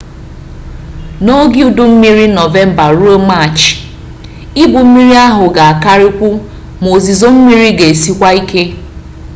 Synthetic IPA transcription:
no˦ɡi˦u˨dʊ˦m̩˦mi˦ɾi˦nɔ˨ve˦m̩˨ba˨ɾu˦o˦ma˦˨t͡ʃ | i˦bʊ˨m̩˦mi˦ɾi˦a˦ɦʊ˨ɡa˨a˨ka˦ɾɪ˦kʷu˦ | mo˨zi˨zo˦m̩˦mi˦ɾi˦ɡe˨si˦kʷa˦i˦kʰe˦

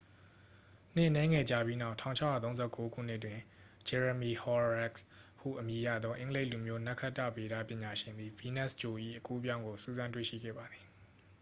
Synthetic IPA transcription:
n̥ɪ̰̃˦ʔnɛ̃˦ŋɛ˨d͡ʑa˦˨bji˦na˦ʊtʰã̰˦˨ʊ̃ɲʰa˦jä̰˦˨t̪õ˦ʊ̃z̥ʰɛ̰˦˨ko˦ɡṵ˦˨n̥ɪ˦ʔtwɪ̃˨ | d͡ʑɛ˨ɹə˨mi˨hɔ˦ɹɹɛ˦kshṵ˦˨ʔəmji˨jä̰˦˨d̪ðɔ˦ʔɪ̃˦ŋəle˦ʔlu˨mjo˦na˦ʔkʰa˦ʔtːa̰˦˨be˨ɾa˦pjɪ̃˨ɲa˨ʃɪ̃˨nd̪i˨vi˦nɛ˦˨st͡ɕo˨ʔḭ˦˨ʔəku˦pjã˦ʊ̃ŋɡo˨sṵ˦˨zã˦ntwḛ˦˨ʃḭ˦˨ɡɛ̰˦˨ba˨d̪ði˨

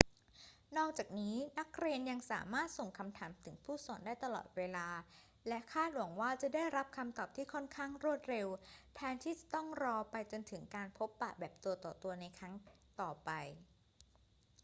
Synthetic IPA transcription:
nɔː˥˩k̚t͡ɕaː˨˩k̚niː˦˥na˦˥kɾe˧nja˧ŋsaː˩˦maː˥˩t̪̚so˨˩ŋkʰa˧mt̪ʰaː˩˦mt̪ʰɯ˩˦ŋpʰuː˥˩sɔː˩˦ndaː˥˩jt̪a˧lɔ̰ː˨˩t̪̚weː˧laː˧ | lɛ˦˥kʰaː˥˩t̪̚lu˨˩˦ŋwaː˥˩t͡ɕa˨˩daː˥˩jɾa˦˥p̚kʰa˧mt̪ɔː˨˩p̚t̪ʰiː˥˩kʰɔ˥˩nkʰaː˥˩ŋɾu˥˩ət̪̚ɾe˧wt̪ʰɛː˦˥nt̪ʰiː˥˩t͡ɕa˨˩t̪ɔ˥˩ŋɾɔː˧pa˧jt͡ɕo˧nt̪ʰɯ˩˦ŋkaː˧npʰo˦˥pːa̰˨˩bɛː˨˩p̚t̪u˧ɐt̪ɔː˨˩t̪u˧ɐna˧jkʰɾa˦˥ŋt̪ɔː˨˩pa˧j

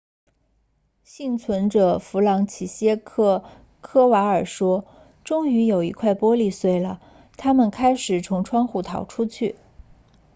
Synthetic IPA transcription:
ɕi˥˩ŋt͡sʰwə˧˥nʈ͡ʂɤ˨˩fu˧˥lɑ˧˥ŋt͡ɕʰi˨˩ɕjɛ˥kʰɤ˥˧ | kʰɤ˥wa˧˥ə˞˨˩ʂwɔ˥ | ʈ͡ʂʊ˥ŋy˧˥jo˨˩ʊi˧˥kʰwa˥˩ɪpwɔ˥li˥˧swe˥˩ɪlə˩ | t̪ʰa˥mə˨nkʰa˥ɪʂɻ̩˨˩t͡sʰʊ˧˥ŋʈ͡ʂʰwɑ˥ŋxu˥˩t̪ʰɑ˨˩ʊʈ͡ʂʰu˥t͡ɕʰy˥˩

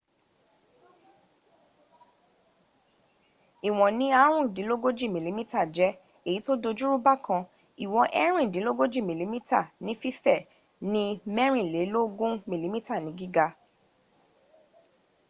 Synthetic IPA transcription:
i˨w̃ɔ̃˨nĩ˨˦a˦ɾ̃ũ˦˨dĩ˨˦lo˦ɡo˦d͡ʒi˦˨mĩ˨li˨˦mĩ˦ta˦˨d͡ʒɛ˨˦ | e˦˨ji˨˦to˦do˧d͡ʒu˦ɾu˦ba˦˨kã˧ | i˨w̃ɔ̃˧ʔɛ˦ɾ̃ĩ˦˨dĩ˨˦lo˦ɡo˦d͡ʒi˦˨mĩ˨li˨˦mĩ˦ta˦˨nĩ˦fi˦fɛ˦˨ | nĩ˦mɛ˦ɾ̃ĩ˦˨le˨˦lo˦ɡũ˦mĩ˨li˨˦mĩ˦ta˦˨nĩ˨˦ɡi˦ɡa˧

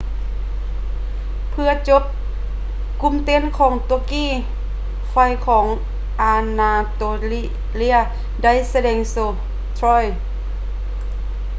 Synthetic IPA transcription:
pʰɯ˧ɐt͡ɕo˧˥p̚ | ku˧˥˨mt̪e˧˥˨nkʰɔː˩˦ŋt̪o˧kiː˥˨ | fa˧˩jkʰɔː˩˦ŋ | ʔaː˧naː˧t̪oː˧l | li˥˩ɐ | da˥˩˨jsa˧dɛː˧ŋsoː˧˩ | t̪ʰɾɔː˧˥˨j

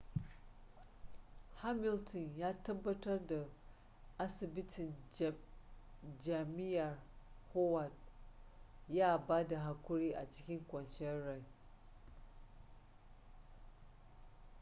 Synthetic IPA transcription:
ha˦mɪ˨ltɔ˨njaː˦tɐ˦bːɐ˦tɐ˦rda˨ | ʔa˦sɪ˨bɪ˦tʰɪ˨n | d͡ʒa˨mɪ˦jʔɐ˨rho˦wa˨d | jaː˦baː˦da˨ɦa˦kʷʊ˦ɾiː˦ʔa˨t͡ʃɪ̥˦kʲɪ˦ŋkʷɔ˨nt͡ʃɪ˦ɐ˦ɾa˨j

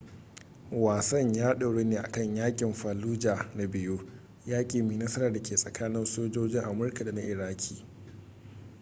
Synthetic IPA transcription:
waː˨sɐ˦ɲjaː˦ɗa˨ɽeː˦neː˨ʔa̰˨kɐ˦˨ɲjaː˦kʲʼɪ˨mɸaː˨luː˦d͡ʒaː˨na˨bɪ˨juː˦ | jaː˦kʲʼiː˨meː˨nɐ˦sɐ˦ɾaː˨da˨kʲeː˨sʼɐ˨kʰaː˦nɪ˦nsoː˦d͡ʒoː˦d͡ʒɪ˦ŋʔa˨mʊ˦rka˨da˨na˦ʔɪ˨ɽaː˦kʲʰiː˨

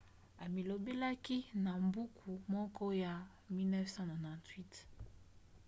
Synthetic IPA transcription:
a˨mi˨lo˨be˦la˦ki˦na˨mbu˦kʰu˨mɔ˦kɔ˦ja˨ | mi˦nɛ˦fsã˦nɔ˨nã˨ntwi˦t

